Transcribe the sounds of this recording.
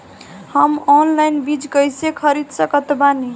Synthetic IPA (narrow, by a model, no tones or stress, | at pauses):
həmɔnlajnbid͡ʒkəjsekʰəɾid̪səkət̪bani